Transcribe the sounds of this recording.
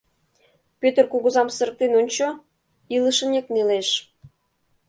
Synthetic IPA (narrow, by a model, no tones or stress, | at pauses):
pʲøt̪ərkuɣɤ̆zɑmsə̆ɾək̚t̪enonʲt͡ɕo | iləʃə̆nekneleʃ